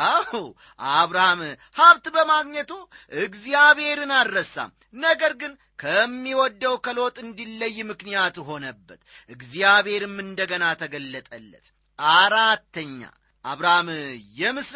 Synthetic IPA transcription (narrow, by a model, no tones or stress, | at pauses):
a | ʔaβɾaham | haβt̪bəmaɡɲət̪uʔɨɡzijaβhe̞ɾɨnaɾːəsːa̰m | nəɡəɾɡɨn | kʰəmːiwɔd̪ːəwkʰəlo̞t̪ʼɨnd̪ilːəjːmɨknijat̪ɦo̞nəbːət̪ʔɨɡzijaβe̞ɾɨmːɨnd̪əɡənat̪ʰəɡəlːət̪ʼəlːə̰t̪ | ʔaɾat̪ːəɲːa̰ | ʔaβɾahamjɛmɨs